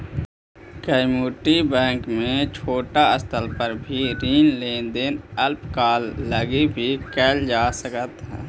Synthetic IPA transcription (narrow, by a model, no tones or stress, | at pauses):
kəɪmuːʈibɛ̃ːŋkmẽt͡ʃʰoːʈaəst̪ʰəlpəɾbʱiɾiːnlẽːnd̪enəlpkaːlːəɡibʱikɛːld͡ʒaːsəkət̪ɦɛ̰̃ː